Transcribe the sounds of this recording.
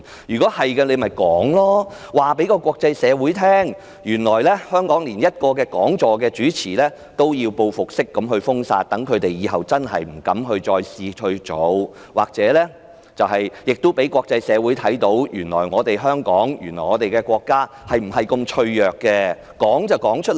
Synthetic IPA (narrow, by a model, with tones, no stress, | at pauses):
jyː˨kɔː˨˥hɐ˨jkɛ˧ne˨˧jmɐ˨˩jkɔː˨˥ŋlɔː˥waː˨pe˨˥jkɔː˧kʷɔː˧k̚t͡sɐ˧jsɛː˨˧wu˨˥jt̪ʰɛː˥ŋ | jyː˨˩nlɔː˨˩jlɛː˥hœː˥ŋkɔː˨˥ŋliː˨˩njɐ˥t̚kɔː˧kɛː˧kɔː˨˥ŋt͡ʃɔː˨k̬ɛː˧t͡ʃyː˨˥t͡sʰiː˨˩lɛː˥ | t̪o˥wjiː˧wpo˧wfʊ˨k̚sɪ˥kːɐ˨˥mɦɵ˧ɥfʊ˥ŋsa̰ː˧t̚t̪ɐ˨˥ŋkʰɵ˨˧ɥt̪e˨jjiː˨˧ɦɐ˨wt͡sɐ˥nɦɐ̰˨jm̩˨˩kɐ˨˥mɦɵ˧ɥt͡ʃɔː˧jsiː˧ɵ˧ɥt͡ʃo˨˧˥w | waː˨˩k̚t͡sɛː˨˥lɛː˥ | t͡sɐ˨wɦɐ˨jjɪ˨k̚t̪ʊ˥wpe˨˥jkʷwʷɔː˧k̚t͡sɐ˧jsɛː˨˧wuː˨˥jt̪ʰɐ˨˥jt̪o˨˥wjyː˨˩nlɔ̰ː˨˩jŋɔː˨˧t̪e˨jɦœː˥ŋkɔː˨˥ŋjy̰˨˩nɔː˨˩ŋɔː˨˧t̪e˨jkɛː˧kʷɔː˧kːaː˥ | hɐ˨jm̩˨˩ɦɐ˨˩jkɵ˧mt͡ʃʰɵ˧ɥjœː˨kːɛː˧ | kɔː˨˥ŋt͡sɐ˨wkɔː˨˥ŋt͡ʃʰɵ˥